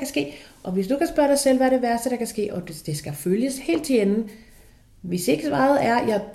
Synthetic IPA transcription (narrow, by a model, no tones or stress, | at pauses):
kʰæsɡ̥e̝̰ːʔɒ̽ʋe̝sd̥ukʰæsb̥ɶɐɾ̥ɑ̈ɪsel̰ʋæɐɾe̝ʋæɐsd̥əɾ̥ɑ̈kʰæsɡ̥e̝̰ːɒ̥̽d̥e̝sɡ̥æføljəshe̝̰ːld̥ʰenn̩ | ʋe̝se̝ɡ̥əsʋɑ̈ːð̩ˠæɐjɑ̥̈